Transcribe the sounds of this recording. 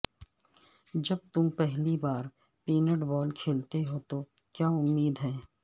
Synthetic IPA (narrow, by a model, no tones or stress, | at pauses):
d͡ʒɐb̚t̪ũmpɛɦlibaːɾ | piːnəʈbɔːlkʰeːlt̪eɦoːt̪o | kjaːʊmːiːd̪ɦɛː